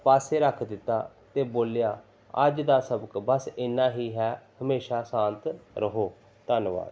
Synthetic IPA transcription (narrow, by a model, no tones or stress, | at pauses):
paːseːɾəkʰd̪ɪt̪ːaː | t̪eːboːljaː | ə̰d͡ʒd̪aːsəbəkbəsɪnːãːɦiːɦɛːhəmeːʃaːsãːnt̪ɾəɦoː | t̪ənʋa̰ːd̪